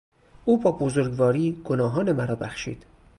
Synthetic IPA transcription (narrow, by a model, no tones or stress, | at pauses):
ʔuːbɒːbozoɾɡvɒːɾiːɡ̥onɒːɦɒːne̞mæɾɒːbæxʃḭːd̪̥